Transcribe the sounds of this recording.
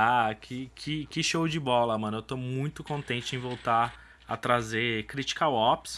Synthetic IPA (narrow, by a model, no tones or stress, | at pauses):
akʰɪkʰɪkɪʃowd͡ʒɪbɔlɐmɐ̃nʊewt̪omũj̃t̪ʊkõnt̪ẽnt͡ʃɪẽj̃vowt̪a | ɐ̰t̪ɾazekɾit͡ʃi̥kawɔps